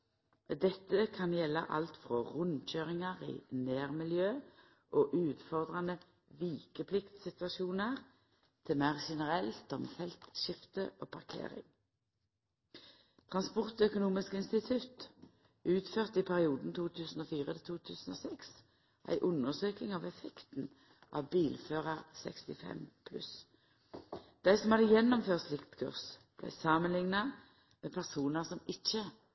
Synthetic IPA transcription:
d̪ɛt̪ːəkʰɑnjɛlːə̰ʔɑ̰lt̪fʁoʁʉnc͡çøːʁɪŋɑʁḭːneːʁmɪljøː | ʔoːʔʉːt̪fɔʁd̪ʁɑnə | ʋiːkəpʰlɪkt̪sɪt̪ʋɑʃuːnəʁ | t̪ʰɪlmæːʁʃɛnəʁɛlt̪ɔmfɛlt̪ʃɪft̪əʔoːpʰɑʁkʰḛːʁɪ̰ŋ | t̪ʰʁɑnspɔʁt̪œkʊnuːmɪskɪnst̪ɪt̪ʰʉt̪ | ʔʉːt̪føːʁt̪ɪpʰæʁɪuːd̪n̩t̪ʰuːt̪ʰʉːsn̩oːfiːʁət̪ʰɪlt̪ʰuːt̪ʰʉːsn̩o̰ːsɛks | ʔæ̰ɪʔʊnːəʁsøːkɪŋɑʋɛfɛkt̪n̩ | ʔɑ̰ːʋbiːlføːʁɑʁsɛ̰kst̪ɪfɛ̰mpʰlʉ̰s | d̪̥æɪsɔmhɑd̪əjɛnːɔmføːʁt̪slɪkt̪kʰʉ̰ʁsb̥læ̰ɪsɑmənlɪŋnɑ | meːpʰæʁsuːnəʁsɔmɪc͡çə

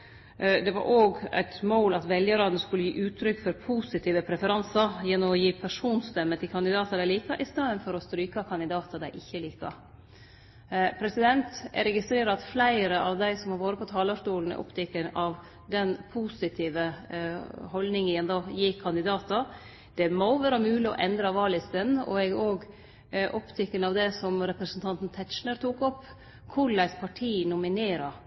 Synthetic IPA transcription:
d̪ɛʋɑ̰ɾʔoːɡæ̰ɪt̪moːlɑt̪ʋɛljəɾɑːd̪nəskʉləjiːʔʉːt̪ʰːɾʏkfɔɾpʰuːsɪt̪ʰiːʋəpʰɾɛfəɾɑnsɑjɛnːɔmɔjiːpʰæʂuːnst̪ɛmːət̪ʰɪlkʰɑnd̪ɪd̪ɑːt̪ɑd̪æɪliːkɑʔɪst̪ɑːd̪ənfɔɾɔst̪ɾyːkɑkʰɑnɪd̪ɑːt̪ɑd̪æɪʔɪçːəliːkɑ̰ | pʰɾɛsɪd̪ɛnt̪ɾɛɡɪst̪ɾeːɾɑɑt̪flæɪɾəʔɑʋd̪æɪsɔmhɑʋoːɾəpʰɔt̪ʰɑːləʂkuːln̩ɛ̰ʔɔ̰pt̪ʰɛkːənɑʋ | d̪ɛnpʰusɪt̪ʰiːʋə | hɔld̪nɪŋəɛnd̪ɑːjiːkʰɑnd̪ɪd̪ɑːt̪ə | d̪̥ɛmɔʋæːɾəmʉːlɪɔ̰ʔɛnd̪ɾɑʋɑːɭɪst̪ənːɔ̰ɛɡoːɡ | ʔɔpt̪ʰɪkːənɑʋd̪ɛsɔmɾɛpɾəsənt̪ʰɑnt̪n̩t̪ʰɛt̪ʃɳəɾt̪ʰuːkɔpː | kʰʊɭæɪspʰɑʈʰiːnʊmɪneːɾɑ

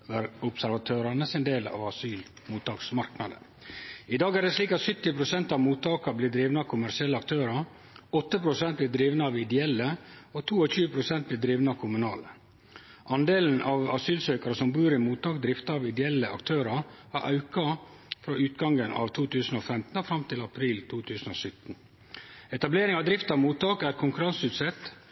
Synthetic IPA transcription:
ʋæɾʊpsæɾʋɑt̪ʰøːɾɑnəsɪnd̪eːlɑ̰ʋɑsyːl | muːt̪ʰɑːksmɑɾknɑd̪ə̰ | ɪd̪ɑːɡæɖɛsliːkɑt̪sʏt̪ːɪpʰɾʊsɛnt̪ɑʋmuːt̪ʰɑːkɑblɪd̪ɾiːʋnəɑʋkʰʊmæɾʂɪɛlːəɑkt̪ʰøːɾɑɾ | ɔt̪ːəpɾʊsɛnt̪̚blɪːd̪ɾiːʋnəɑʋɪd̪ɛɛlːəɔt̪ʰuːɔçʉːəpʰɾʊsɛnt̪̚blɪːd̪ɾiːʋnəɑʋkʰʊmʉnɑːlə | ʔɑnd̪eːln̩ʔɑʋɑsyːlsœʏkɑɾəsɔmbuːɾɪmuːt̪ɑːk̚d̪ɾɪft̪ɑɑʋɪd̪ɛɛlːəʔɑ̰kt̪ʰøːɾɑɾhæɾʔɑ̰ʉkɑ | fɾoːʔʉːt̪ɡɑŋɡənɑ̰ʋt̪ʰuːt̪ʰʉːsn̩oːfɛmt̪n̩ɔfɾɑmt̪ʰɪlɑpʰɾiːlt̪ʰuːt̪ʰʉːsn̩o̰sʏt̪n̩ | ɛt̪ɑbleːɾɪŋɑʋd̪ɾɪft̪ɑʋmuːt̪ɑːkæɾkʰʊŋkʉɾɑnsʉːt̪sɛt̪

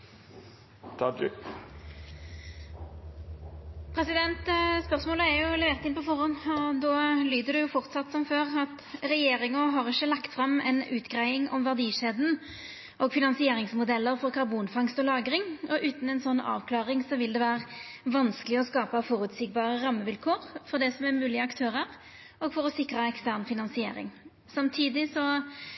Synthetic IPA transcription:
t̪ʰɑ | pʰɾɛsɪd̪ɛnt̪spœʁsmoːləæɾjʊlɛʋeːʁt̪ɪnpɔfɔʁɔnɔd̪oːlyːd̪əd̪ɛjʊfɔʁt̪sɑt̪ːsɔmføːʁɑt̪ | ɾɛjeːɾɪŋəɦɑʁɪçːəlɑkt̪fʁɑmɛ̰nʉːt̪ɡʁæɪɪŋɔmʋæʁd̪iːʃeːd̪n̩ | ʔɔɡfɪnɑnsɪeːɾɪŋsmʊd̪ɛlːəɾfɔʁkʰɑʁbuːnfɑŋst̪ɔlɑːɡɾɪŋɔʔʉːt̪n̩ɛnsɔnːɑ̰ːʋkʰlɑːʁɪŋsɔʋɪld̪ɛʋæːʁəʋɑnskəlɪɔskɑːpɑfɔɾʉt̪sɪɡ̚bɑːʁəɾɑmːəʋɪlkʰoːɾfɔʁd̪ɛsɔmæmʉːlɪəɑkt̪ʰøːɾəɾ | ɔːɡfɔɾɔsɪkɾəɛkst̪æʁnfɪnɑnsɪḛːɾɪ̰ŋ | sɑmt̪ʰiːd̪ɪsɔ

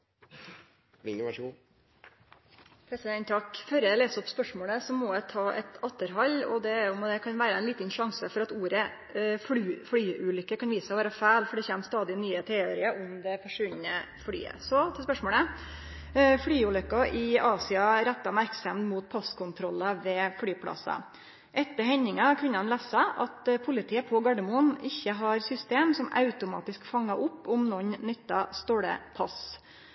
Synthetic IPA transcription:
ɪu | pʰɾɛsɪd̪ɛnt̪ʰɑkːfɔɾəæleːsɔpspœʂmoːɭəsɔmɔjæɪt̪ʰɑːʔɛ̰t̪ʰɑt̪ːəɾɦɑlːɔ̰d̪ɛʊmɔd̪ɛkʰɑnʋæːɾəɛɪnliːt̪ənʃɑŋsəfɔɾɑt̪uːɾə | fʉflyːʉːlʏkːəkɑnʋiːsəɔʋæːɾɑfæːlfɔɖɛçeːmst̪ɑːd̪ɪnyːət̪ʰɾeːøːɾɪəʔʊmd̪ɛfɔʂʋʉnːə | fly̰ːə̰sɔt̪ʰɛspœʂmoːlə | fɽyːuːlœkːɑʔɪɑːsɪɑɾæt̪ːɑmæɾksɑmnmuːt̪̚pʰɑskʰʊnt̪ʰɾɔlːɑʋɛfɽyːpʰlɑ̰sɑ̰ | ʔɛt̪ːəɾhɛɲɪŋɑkʰʋɪnɑnlæːsɑʔɑt̪pʰʊlɪt̪ʰiːəpʰɔɡɑɖɛmʊnɪçːəɦɑɾsʏst̪eːmsɔmɑ̰ʉt̪ʊmɑ̰ːt̪ɪskfɑŋːɑʔʊpːʊmnɔnnʏt̪ːɑst̪oːɽə̰pʰɑs

